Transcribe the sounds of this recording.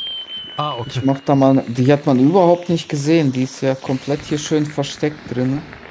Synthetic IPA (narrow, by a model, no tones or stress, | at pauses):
aːɪçmaχd̥aːmaːld̥iːhatmanyːbɐhaʊp̚tnɪçt̚ɡ̥əzeːəndiːɪstjaːkʰɔmpʰl̥ɛthiːɐʃøːnfɛɐʃtɛk̚t̚d̥ʁɪnə